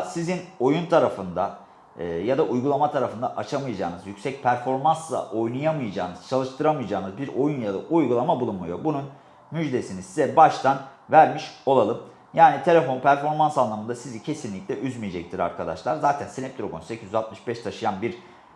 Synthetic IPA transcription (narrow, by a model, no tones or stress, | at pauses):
sizino̞junt̪ʰaɾafɯnd̪aː | jad̪aʔujɡulˠamat̪ʰaɾafɯnd̪a̰ʔat͡ʃʰamɯjad͡ʒa̰ːnɯzjycʲsɛc̚pʰæɾfo̞ɾmanslˠa̰ʔo̞jnɯjamɯjad͡ʒa̰ːnɯz̥t͡ʃʰalˠɯʃt̪ʰɯɾamɯjd͡ʒaːnɯzbiɾo̞junjad̪a̰ʔujɡulˠamabulˠunmujo̞bunun | myd͡ʒd̪e̞sinizsizɛbaʃt̪ʰan | væɾmiʃo̞lˠalˠɯm | jaːnit̪ʰe̞lʲe̞fo̞npʰæɾfo̞ɾmansanlˠamɯnd̪asizicʰe̞sinlʲicʲlʲɛʔyzmijed͡ʒɛc̚t̪ʰiɾa̰ɾkad̪a̰ʃlˠaɾzaːt̪ʰænsinɛp̚t̪iɾo̞konse̞cʰizyzat̪̚mɯʃbɛʃt̪ʰaʃɯjanbiɾ